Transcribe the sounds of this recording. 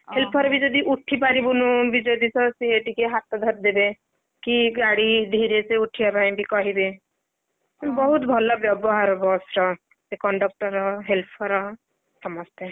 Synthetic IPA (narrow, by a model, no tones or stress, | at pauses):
helpʰɔɾbid͡ʒɔd̪iʔuʈʰːipaɾibunũbid͡ʒɔd̪isɔsieʈikeɦat̪ɔd̪ʱɔɾ̚d̪ebe | kiɡaɽid̪ʱiɾeseuʈʰiabaj̃bʱikɔɦibe | bɔɦut̪bʱɔlɔbjɔbɔɦaɾbɔsɾɔ | sekɔɳɖɔk̚ʈɔɾɔɦelpʰɔɾɔ | sɔmɔst̪ɛ